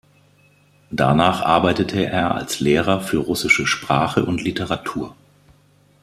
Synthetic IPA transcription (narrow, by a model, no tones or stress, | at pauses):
d̥a̰naːχʔa̰ɐbaɪtətʰəʔeːɐa̰lsleːʁ̞ɐfyːɐʁʊsɪʃəʃpʁ̥aːχəʔʊntlitəʁatʰuːɐ